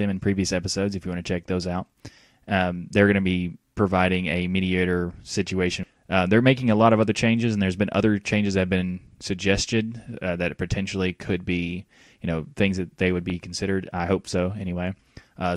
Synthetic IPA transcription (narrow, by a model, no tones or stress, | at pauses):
ɨ̃mɨ̃n̩pʰɹ̥iviɨsɛpəsoʊdzɨfjɨwɑ̃nɨt͡ʃʰɛk̚ðoʊzaʊt̚ | ðə˞ɡʌñɨbipʰɹ̥ɨvaɪɾɪ̃ŋɨmiɾieɪɾə˞sɪt͡ʃʉeɪʃɨ̃n | ðə˞meɪkɪ̃ŋəlɔɾʌvʌðə˞t͡ʃʰẽɪ̃nd͡ʒɨzn̩ðə˞zbɨ̃nʔʌ̰ðə˞t͡ʃʰẽɪ̃nd͡ʒɨzðɨɨvbɨ̃n | sɨɡ̚d͡ʒɛstɨd̪̚ðɨt̚pʰɨtʰɛ̃nʃl̩ˠikʰɨd̚bi | jɨñoʊθɪ̃ŋzðɨt̪̚ðeɪwɨd̚bikʰn̩sɪɾə˞ɾa̰ɪhoʊpsoʊɛñiweɪ | ʔʌ